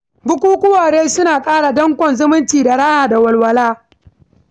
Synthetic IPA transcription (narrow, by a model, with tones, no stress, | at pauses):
bʊ˦kʷuː˦kʷʊ˦waː˨ɽeː˦sʊ˦naː˨kʼaː˦ɽa˨dɐ˦ŋkʷɔ˨nzʊ˦mʊ˦ntiː˨da˨ɽa˦ʔaː˨da˨wɐ˨lwɐ˨laː˦